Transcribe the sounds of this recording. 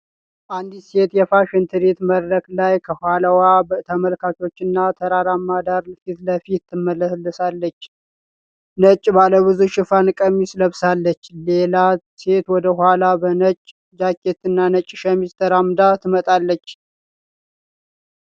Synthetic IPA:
ʔand̪ise̞t̪jɛfaʃɪnt̪ʰɨɾet̪məd̪ɾəklajkʰəhʷaləwabət̪ʰəməlkako̞t͡ʃːɨnːat̪ʰəɾaɾamːad̪aɾfit̪ləfit̪ːɨmːəlːəlːɨsalːət͡ʃː | nət͡ʃʼbaləβɨzuʃɪfankʼəmisləβsalːət͡ʃːle̞la | se̞t̪wɔd̪əɦʷwalabənət͡ʃʼ | d͡ʒakʰːet̪ɨnːanət͡ʃʼːʃɛmist̪ʰəɾamd̪at̪ʰɨmət̪ʼalːət͡ʃː

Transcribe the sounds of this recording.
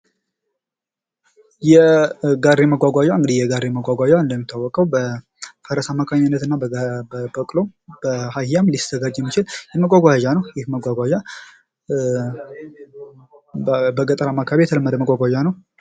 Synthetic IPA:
jɛɡarːeməɡʷaɡʷaʒaɨŋɡɨd̪ijɛɡaɾeməɡʷaɡʷaʒaɨnd̪əmːit̪ʰːawːɔkʼəwbə | fəɾəsamːakʰaɲanːət̪ɨnːaəbəkʼlob̥əhajhjamlist̪əɡad͡ʒjɛmːit͡ʃɪljɛməɡʼʷaɡʷaʒanəwjɪhməɡʷaɡʷaʒa | bəɡət̪ʼəɾamakʰaβejɛt̪ʰələmːəd̪əməɡʷʼaɡʷaʒanəw

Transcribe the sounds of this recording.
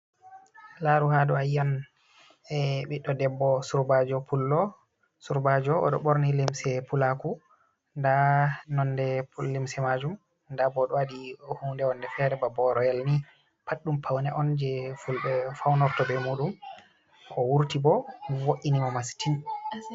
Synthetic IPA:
laɾuhadɔajːan | ɛɓiɗɔdɛbːɔsuɾbad͡ʒɔpʰulːɔ | suɾbad͡ʒɔɔ̰ɗɔɓoɾnilimsɛpulaku | ndanɔndɛplimsɛmad͡ʒum | ndabɔɗɔwadihuːndɛɔndɛfɛɾɛbabɔɾɔjalni | paɗːumpʰawnɛʔɔnd͡ʒɛfulbɛfawnɔɾtɔbɛmuɗum | kʰɔwuɾtibɔwoʔːinimɔmasi̥tin

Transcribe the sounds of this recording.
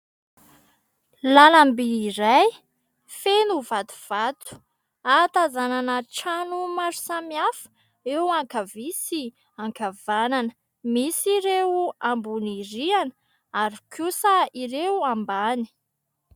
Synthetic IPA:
lalambiːɾaj | fenuvat̪u̥v̥at̪u̥ | at̪azananəʈ͡ʂanumaɾu̥samiafə̥ | ewaŋkavisi | aŋkav̥ananə | misiɾewambuniɾianə | aɾikʰjusaiɾewambani̥

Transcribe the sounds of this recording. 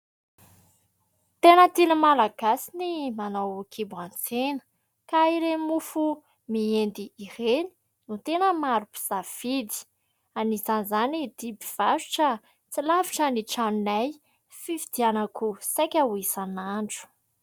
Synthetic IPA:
t̪enət̪inəmalaɡasinimanawkʰibuant͡senə̥ | kaiɾemufu | miend̪iːreni̥ | nut̪enəmaɾupi̥z̥av̥id̪i̥ | anizanzanid̪̥ibiv̥aʃu̥ʈ͡ʂə | t͡silaviʈ͡ʂəniʈ͡ʂanunaj | fifid̪ianakusakʲauisanaɳɖ͡ʐu̥

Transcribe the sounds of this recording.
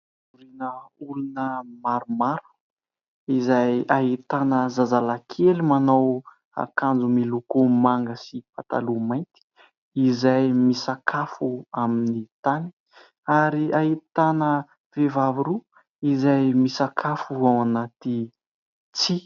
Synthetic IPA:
uɾinəulunəmaɾumaɾu̥ | izajaɦit̪anəzazalakʰelimanaw | a̰kand͡zumilukumaŋɡəsipat̪a̰lumajnt̪i̥ | izajmisakʰafuaminit̪ani̥ | aɾiaɦit̪anə | vevaviɾu | izajmisakʰafuawanat̪i | t͡si

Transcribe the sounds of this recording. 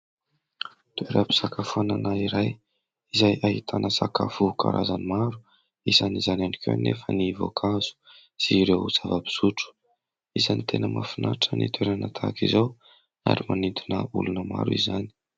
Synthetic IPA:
t̪ueɾapi̥sakafuananaiɾaj | izajaɦit̪ʰanəsaka̰fuka̰ɾʔa̰zanimaɾu̥ | izanizananikʲʰeanːefənivo̰kʰaz̥u̥ | z̥iɾewut͡savabi̥z̥uʈ͡ʂu̥ | izanit̪ʰenəma̰finaʈ͡ʂənit̪ʰweɾanat̪ʰakizow | a̰ɾimanint̪unəulunəma̰ɾuizani̥

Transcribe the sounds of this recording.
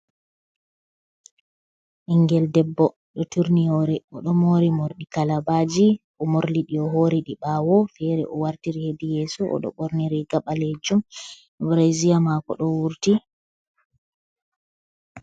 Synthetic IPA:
ʔiŋɡɛldɛbːɔ | ɗɔtuɾnihɔɾɛɔɗɔmoɾimoɾɗikalabad͡ʒiʔɔmoɾliɗiɔɦoɾiɗiɓawɔfɛɾɛ̰ʔɔwaɾtiɾihedijesuʔɔ̰ɗɔ̰ɓoɾniɾiɡaɓaled͡ʒum | bɾezijamakɔ̰ɗɔwuɾti

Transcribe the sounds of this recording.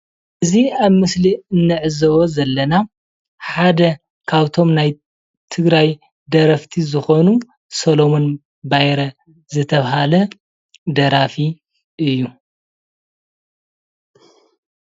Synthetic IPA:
ʔɨziaβmɨsliɨnːɨʕɨzɐβozɐlːɐna | ħad̪ɐ | kʰaβt̪ʰo̞mnaj | t̪ʰɨɡɾaj | d̪ɐɾɐft̪ʰizɨxo̞nu | solomon | bajɾɐ | zɨt̪ʰɐβɦalɐ | d̪ɐɾafi | ʔɨjːu

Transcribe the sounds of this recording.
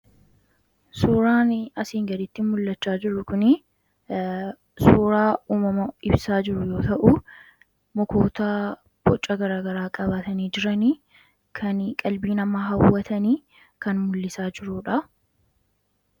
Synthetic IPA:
suːɾaːnɐsiːŋɡɐd̪ɪt̪ːɪmʊlːɐt͡ʃːaːd͡ʒɪɾʊkʊnɪ | suːɾaːuːmɐmɐɪbsaːd͡ʒɪɾʊjo̞ːt̪ɐʔu | mɔkoːt̪aː | b̥ɔt͡ʃʼːɐɡɐɾaːɡɐɾaːkʼɐbaːt̪ɐniːd͡ʒɪɾɐni | kʰɐnkʼɐlbiːnɐmːaːɦɐwːɐt̪ɐniː | kɐnmʊlːɪsaːd͡ʒɪɾuːᶑɐ

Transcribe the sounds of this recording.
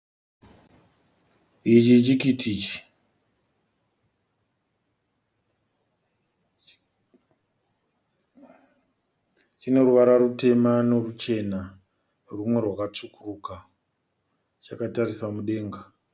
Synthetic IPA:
it͡ʃit͡ʃikitʰit͡ʃi̥ | t͡ʃine̞ruʋaɾarute̞manorut͡ʃe̞na | rumwe̞rwakat͡ʂukuruːka | t͡ʃakatarisamuɗe̞ːŋɡa

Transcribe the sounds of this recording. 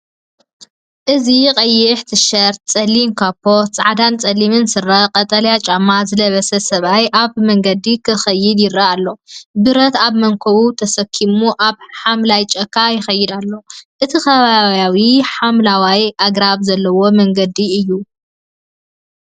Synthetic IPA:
ʔɨziqʼɐjːɛħt̪ʰɨʃɐɾt̪̚t͡sʼɐlinkʰapʰːo̞t͡sʼa̰ʕd̪ant͡sʼɐlimɨnsɨrːɐqʼɐt̪ʼɐljat͡ʃʼamːazɨlɐβɐsɐsɐβajʔaβmɐŋɡɐd̪ikʰɨxɐjːɪd̪jɪɾaalːo̞bɨɾɐt̪aβmɐŋkʰɐβut̪ʰɐsɐkʰːimuʔaβħamlajt͡ʃʼɐkʰːajɪxɐjːɪd̪alːo̞ʔɨt̪ʰixɐβaβjawiħamlawajʔaɡɾaβzɐlːɐwo̞mɐŋɡɐd̪iɨjːu

